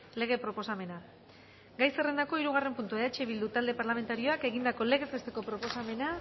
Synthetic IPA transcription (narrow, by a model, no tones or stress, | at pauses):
le̞ɣ̞e̞pɾo̞po̞same̞na | ɡajse̞re̞nd̪ako̞iɾuɣ̞are̞mpunt̪ueat͡ʃeβild̪ut̪ald̪e̞paɾlame̞nt̪aɾio̞ake̞ɣ̞ind̪ako̞le̞ɣe̞zβest̪e̞ko̞pɾo̞po̞same̞na